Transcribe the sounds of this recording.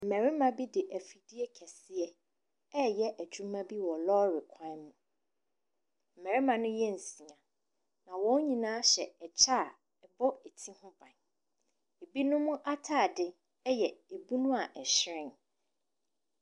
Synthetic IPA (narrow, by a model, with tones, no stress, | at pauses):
m̩˨mɛ˨ɾɪ˦mã˨bi˦dɪ˨ʔæ˨fi˨di˦ɛ˦kʰɛ˨sɪ˦ɛ˦ | ɛ˦jɛ˦ʔæ˨d͡ʑᶣu˦mã˦bi˦wɔ˨lɔː˦ɾɪ˨kʷʰã˦mũ˨ | m̩˨mɛ˨ɾɪ˦mã˨nʊ̃˦jɛ˦n̩˨sĩ˨ã˨ | nã˨wɔ̃˦ɲĩ˨nãː˦ɕɛ˨ɛ˨t͡ɕʰa˦˨ | ɛ˨bɔ˦e˨tʰĩ˦hʊ̃˦bã˨n | e˨bi˦nʊ̃˦mʊ̃˦ʔa˦tʰaː˦˨dɪ˦ | ɛ˦jɛ˨e˨bu˦nʊ̃˦a˨ʔɛ˨ɕɾɪ̃˦˨n